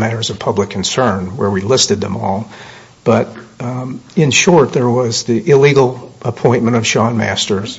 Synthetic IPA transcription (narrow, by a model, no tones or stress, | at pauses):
mæɾə˞zʌv̥pʰʌblɨkʰn̩sɜ̃˞nwə˞wilɪstɨd̪̚ðɨ̰̃mɔlˠ | b̥ʌɾ | ɨ̃nʃɔɹt̪̚ðə˞wʌzðiʔɪliɡl̩ˠʔəpʰɔ̃ɪ̃nmɨ̃ɾ̃ʌv̥ʃɑ̃nmæstə˞z̥